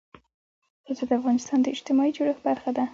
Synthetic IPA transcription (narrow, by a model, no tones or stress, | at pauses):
həlzod̪əafɣɑnɪst̪ɑnd̪əɪd͡ʒt̪ɪmɑid͡ʒoɽəxbaɾxad̪a